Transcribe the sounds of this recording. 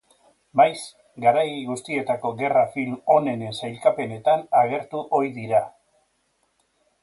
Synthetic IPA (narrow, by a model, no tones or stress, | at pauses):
majs | ɡaɾajɣust̪ie̞t̪ako̞ɣe̞rafilmo̞ne̞ne̞nsajlkape̞ne̞t̪anaɣ̞e̞ɾt̪uʔo̞iðiɾa